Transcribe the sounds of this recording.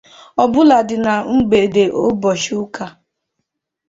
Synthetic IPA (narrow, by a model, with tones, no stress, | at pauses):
ɔ˨bʊ˦la˨dɪ˨na˨ŋ͡m̩˦ɡ͡be˨de˨ʔo˦bɔ˨ʃu˦ka˨